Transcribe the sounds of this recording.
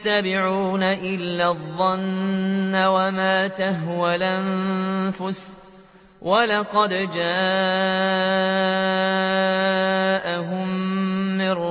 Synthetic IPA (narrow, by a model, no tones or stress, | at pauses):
t̪ːabɪʕuːnaʔɪlːaðˤːɑnː | awamaːt̪aɦwalʔanfʊs | wʔalɑqɑd̪d͡ʒaː | ʔaɦʊmː | ɪɾ